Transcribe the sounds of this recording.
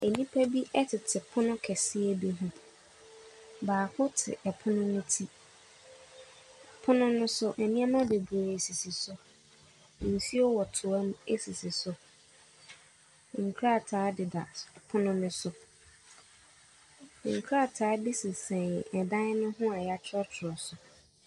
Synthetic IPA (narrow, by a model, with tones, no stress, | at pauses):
e˨nĩ˦pʰa˦bi˦ʔɛ˦tʰɪ˨tʰɪ˨pʰʊ˦nʊ̃˦kʰɛ˨sɪ˦ɛ˦bi˦ɦũ˦ | baː˨hʊ˦tʰɪ̰˨ʔɛ˨pʰʊ˦nʊ̃˦nʊ̃˦tʰi˦ | pʰʊ˦nʊ̃˦nʊ̃˦sʊ˦ʔɛ˨nĩ˦a˦mã˦de˨bu˨a˨ɾe˨si˨si˨sʊ˦˨ | n̩˨si˦ɔ˦wɔ˨tʰʊ˨a˦m˦e˦si˨si˨sʊ˦ | ŋ̩˨kʰɾa˦˨tʰaː˨˦dɪ˨da˨pʰʊ˦nʊ̃˦mɪ̃˦sʊ˨˦ | ŋ̩˨kʰɾa˦˨tʰaː˨˦bi˦sɪ˨sɛ̃˨n˨ɛ˨dã˦nɪ˦nʊ̃˦ɦʊ̃˦a˨ja˦t͡ɕʰɔ˦tʰʊ˨ɔ˨sʊ˨